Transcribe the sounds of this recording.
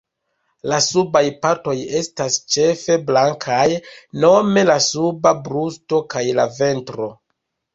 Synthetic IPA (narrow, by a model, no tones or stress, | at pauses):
lasubajpaɾto̞je̞stast͡ʃe̞fe̞blaŋkʰajno̞me̞lasubabɾusto̞kajlave̞ntɾo̞